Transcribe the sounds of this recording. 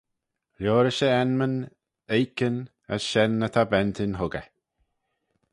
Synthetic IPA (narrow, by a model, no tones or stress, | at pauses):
ɾoːɾəʃəɛnmən | ejkən | ə̰sʃɛnːət̪ʰabɛnt̪ʰɪnɦʊɡə̰